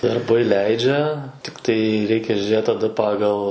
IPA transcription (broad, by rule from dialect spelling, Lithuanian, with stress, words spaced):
dɐrˈbɐɪ ˈlʲɛɪd͡ʒʲɛ tʲɪkˈtɐɪ ˈrʲɛɪkʲɛ ʒʲuːˈrʲeːtʲɪ tɐˈdɐ ˈpɑːɡɐlˠ